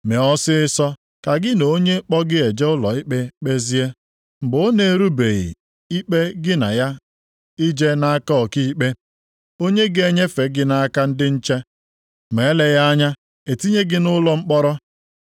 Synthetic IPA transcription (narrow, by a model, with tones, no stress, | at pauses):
me˨ɔ˦sɪ˦ɪ˦sɔ˦ | ka˨ɡɪ˦no˨˦o˦ɲe˦k͡pɔ˦ɡɪ˦e˨d͡ʒe˦ʊ˦lɔ˨i˦k͡pe˦k͡pe˦zi˦e˦ | m̩˨bʊ˨o˦ne˦ɾu˦be˨ɣḭ˨ | i˦k͡pe˦ɡɪ˦na˨ja˦ | i˦d͡ʒe˦na˦a˦kɔ˦ɔ˨ki˦k͡pe˦ | o˦ɲe˦ɡe˦ɲe˦fe˨ɡɪ˦na˨a˦ka˦n̩˦dɪ˦n̩˦t͡ʃe˦ | me˨˦le˨ja˦a˦ɲa˦ | e˨ti˦ɲe˦ɡɪ˦nʊ˦lɔ˦ŋ͡m̩˦k͡pɔ˦ɾɔ˦